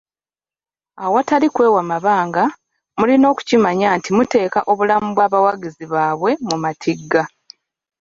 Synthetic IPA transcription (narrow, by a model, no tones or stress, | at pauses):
awatalikwe̞ːwamaβaːŋɡa | mulino̞ːku̥cimaɲaːntimute̞ːkaʔo̞βulamubwaːβawaɡiziβaːβwe̞mumatʰiɡːa